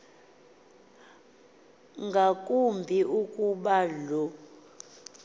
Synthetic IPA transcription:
ŋɡʱakʼumbʱiʔukʼuɓalɔ

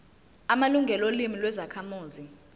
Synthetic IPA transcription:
amaluŋɡʱɛlolimilwɛzakʰamuːzi

